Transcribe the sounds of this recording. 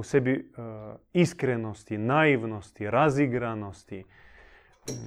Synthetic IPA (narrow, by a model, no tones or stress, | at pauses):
usɛbi | iskɾɛnost̪inaiʋnost̪iɾaziɡɾanost̪i